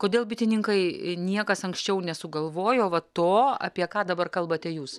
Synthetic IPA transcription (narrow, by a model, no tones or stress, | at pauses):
koːd̪ʲeːlˠbʲɪt̪ʲɪnʲɪŋkɐɪnʲiɛkɐsɐŋksʲt͡ʃʲɛʊnʲɛsʊɡɐlˠʋoːjoːʋɐt̪oːɐ̰pʲiɛkɑːd̪ɐbɐrkɐlˠbɐt̪ʲɛjuːs